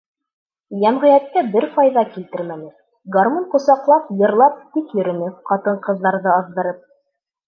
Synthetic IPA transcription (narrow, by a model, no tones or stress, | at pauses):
jæmʁɘ̆jæt̪̚kæbɘɾfɑjðɑkilt̪ɘɾmænɘ | ɡɐrmoɴqŏsɑqlˠɑpjɤ̆ɾlˠɑp̚t̪ikjɵ̆ɾɵ̆nɘqɑt̪ɤɴqɤ̆ðːɑɾðɤɑðd̪ɤ̆ɾɤp̚